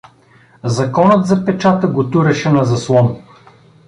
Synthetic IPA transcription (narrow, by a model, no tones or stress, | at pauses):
zɐkɔnət̪zɐpɛt͡ʃat̪əɡot̪uɾɛʃɛnɐzɐslˠɔm